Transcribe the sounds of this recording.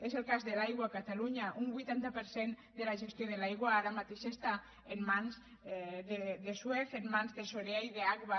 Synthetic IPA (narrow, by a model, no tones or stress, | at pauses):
ezelkazðelajɣ̞wakat̪aluɲaʔumbujt̪ant̪apeɾsend̪elaʒest̪joðelajɣwaaɾamat̪eʃest̪a | emmãnz | ðeðesweθemmãnzðesoɾeajðeaɣβa